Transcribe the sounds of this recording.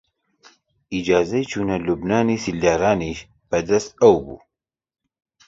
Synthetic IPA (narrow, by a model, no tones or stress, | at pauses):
id͡ʒaːzɐjt͡ʃʰuːnɐlubnaːniːsild̪aːɾaːniʃ | b̥ɐd̪ɐst̪̚ɐwbṵː